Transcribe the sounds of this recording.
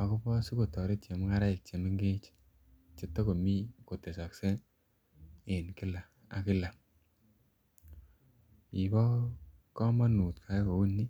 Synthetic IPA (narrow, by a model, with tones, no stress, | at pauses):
a˨kʊ˦pɔ˦su˦ko˨tɔ˨ɾe˦tt͡ʃe˨mɪ˦ŋa˦ɾa˦ɪ˨k̚t͡ʃe˨mɪ˦ŋɡe˦t͡ʃ | t͡ʃe˨tːɔ˦ko˨mi˦ko˨te˨sa˨kse˦ | ɪ˨nkɪ˦la˨ | a˨kɪ˦la˨ | i˨bɔ˦ | kɔ˦ma˦nu˨tkʰa˨˦ko˨u˦nːi˦